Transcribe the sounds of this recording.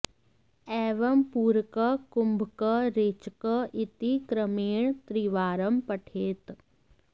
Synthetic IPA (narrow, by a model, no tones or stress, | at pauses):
ɛːʋɐmpuːɾkəkʊmbʱkəɾeːt͡ʃkəʔɪt̪ikɾəmeːɳt̪ɾiʋaːɾəmpəʈʰeːt̪